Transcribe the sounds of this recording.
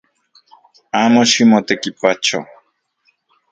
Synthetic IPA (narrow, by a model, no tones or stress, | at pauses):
amoʃimot̪ekipat͡ʃo